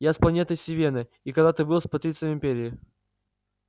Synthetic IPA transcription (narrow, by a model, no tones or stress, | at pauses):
jasplˠɐnʲe̞t̪əsʲɪvʲenɨ | ikɐɡd̪at̪ɨbɨlˠspɐt̪ɾʲit̪sɨjmɪmʲpʲeɾʲɪː